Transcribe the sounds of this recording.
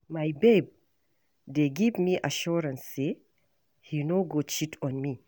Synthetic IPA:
majbejb̚ | deɡivmiʔaʃuɾãnsːe | hinoɡot͡ʃitʰɔ̃nmi

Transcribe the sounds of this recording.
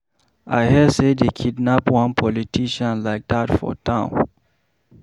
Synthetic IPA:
ʔa̰ɪhɛsedekʰidnapwãnpʰɔlitʰiʃãnlaɪk̚datfɔ̰tʰãʊ̃n

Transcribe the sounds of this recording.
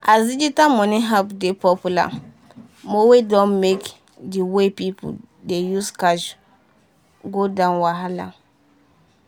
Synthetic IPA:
ʔazid͡ʒitamɔniɦapdepɔpula̰ | mowedɔ̃nmek | diwepipṵ | dejuskaʃ | ɡodãʊ̃nwaɦala̰

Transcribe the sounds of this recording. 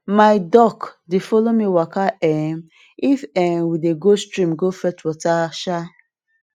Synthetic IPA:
maɪdɔkdifɔlomiwakaɛm | ifɛ̃nwideɡostɹĩmɡofɛtwɔtaʃa

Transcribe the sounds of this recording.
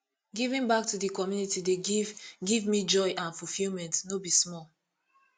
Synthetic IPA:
ɡivĩnbak̚tudikɔmjunitideɡivmid͡ʒɔjʔãnfufilmɛ̃ntnobismɔl

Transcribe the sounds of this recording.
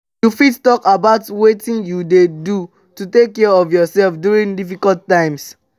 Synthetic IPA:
jufidtɔkabaʊtwetĩnjudedu | tutekːɛɔvjɔsɛlfdjuɹĩŋdifikɔlttãɪ̃ms

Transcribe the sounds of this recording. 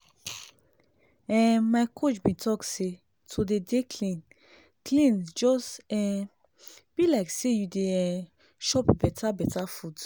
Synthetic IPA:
ɛ̃maɪkʰot͡ʃbĩtʰɔkse | tʰodedekʰlĩn | klĩnd͡ʒɔsɛ̃ | b̥ilaɪksejudeɛ̃ | ʃɔpbɛtʰabɛtafud

